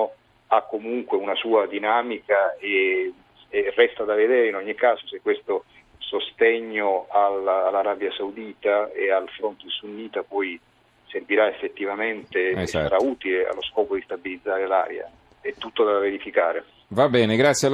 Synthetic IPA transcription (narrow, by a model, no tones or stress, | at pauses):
akːomuŋkweunasuːad̪inaːmikae | rɛst̪ad̪aved̪ɛːɾeinɔɲːikaːzosekːwest̪o | sost̪ɛɲːoalalːaɾabjasaud̪iːt̪aealfɾont̪eisunːiːt̪apɔj | serviɾaefːet̪ːivament̪esːaɾauːt̪ilea̰lːoskɔːpod̪ist̪abilid̪zːaːɾela̰ːɾja̰ | ɛt̪ːut̪ːod̪aaveɾifikaːɾḛ | vabɛːneɡɾat̪sːjal